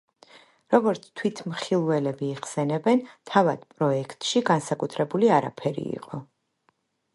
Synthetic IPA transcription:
ɾɔɡɔɾt̪sʰt̪ʰwit̪ʰmχilˠvɛlɛbiːʁsɛnɛbɛnt̪ʰavad̪̥pʼɾɔɛkʰt̪ʼʃiɡansakʼut̪ʰɾɛbuliaɾa̰pʰɛɾḭḭqʼɔ

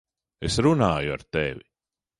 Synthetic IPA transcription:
esɾunaːjua̰ɾt̪evʲi

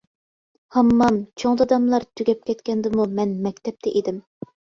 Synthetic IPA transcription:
hɑmːɑmt͡ʃʰoŋd̪ɑd̪ɑmlˠɑɾt̪ʰyɡʲɛp̚kʲʰɛt̪kʲɛnd̪ɪmumɛnmɛkʲt̪ʰɛp̚t̪ʰɛʔed̪ɪm

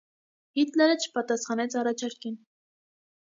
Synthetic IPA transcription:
hit̪lɛɾət͡ʃʰə̥pɑt̪ɑsχɑnɛt͡sʰɑrɑt͡ʃʰɑɾkin

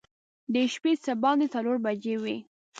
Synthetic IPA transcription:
d̪əʃpesəbɑnd̪et͡saloɾbad͡ʒewi

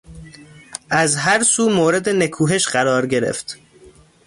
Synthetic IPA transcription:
ʔæzɦæɾsuːmoːɾe̞d̪enekʰuːɦe̞ʃɢæɾɒːɾɟe̞ɾḛft̪

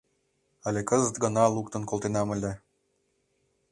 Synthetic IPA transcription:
ɑlʲekəzət̪ɡə̆nɑlˠuk̚t̪ə̆nkolˠt̪enɑmə̆lʲe

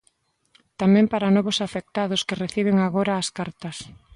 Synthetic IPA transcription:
t̪amɛ̃mpaɾɐnɔβʊsafek̚t̪aðʊskɪreθiβ̞ɪŋaɣoɾɐːskaɾt̪ɐs

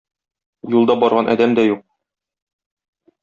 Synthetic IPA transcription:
julˠd̪ɑbɒɾʁɑnʔɒ̰d̪æmd̪æjuq̚

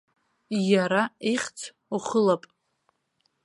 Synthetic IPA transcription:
jaɾaiχʲt͡sʰ | uχəlapʼ

